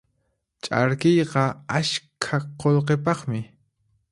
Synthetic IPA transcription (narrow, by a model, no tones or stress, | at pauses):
t͡ʃʼa̰ɾkɪjqɑaʃkʰaqolqepɑχmɪ